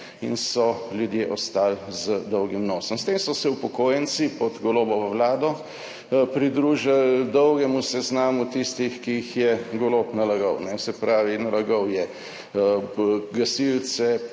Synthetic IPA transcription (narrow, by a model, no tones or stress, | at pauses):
ḭnsɔljud̪jeːʔɔst̪aːlzəd̪ɔwɡimnoːsɔmst̪eːmsɔsɛupɔkoːjɛnsipɔd̪ɡɔloːbɔʋəwlaːd̪ɔ | pɾid̪ɾuːʒald̪ɔwɡɛmusɛznaːmut̪ist̪ixkiːxjɛɡɔloːpnalaɡɔwnɛsɛpɾaːʋinalaɡɔwjɛ | ɡasilt͡s̪ɛ